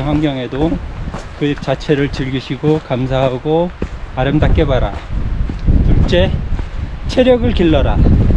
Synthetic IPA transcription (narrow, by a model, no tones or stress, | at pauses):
ɸwaŋɡjʌŋe̞do | kɯt͡ɕat͡ɕʰe̞ɾɯɭt͡ɕɯɭɡiɕʰiɡokamsʰaɦaɡoaɾɯmdak͈e̞baɾa̰ | tuɭt͡ɕ͈e̞ | t͡ɕʰe̞ɾjʌɡɯɭkiɭːʌɾa